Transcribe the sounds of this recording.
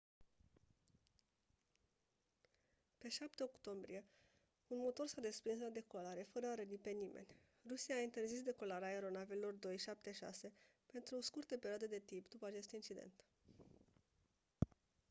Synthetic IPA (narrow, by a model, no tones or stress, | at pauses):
pe̞ʃap̚t̪eo̞kt̪o̞mbɾije̞ | unmo̞t̪o̞rsad̪e̞spɾinslad̪e̞ko̞laɾe̞fəɾəaɾəd̪ipe̞nimʔe̞̰nʲ | rusiaːint̪e̞rzis̬d̪e̞ko̞laɾeaeɾo̞navelelo̞rd̪o̞jʃap̚t̪e̞ʃa̰se̞ | pe̞nt̪ɾuoskurt̪epe̞ɾioad̪ed̪e̞t̪impd̪upəat͡ʃe̞st̪int͡ʃid̪e̞̰nt̪